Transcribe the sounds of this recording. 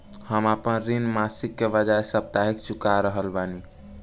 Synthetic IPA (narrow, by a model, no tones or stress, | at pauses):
həmapənɾinmasikːebəd͡ʒaesəp̚t̪aɦikt͡ʃukaɾəɦəlbani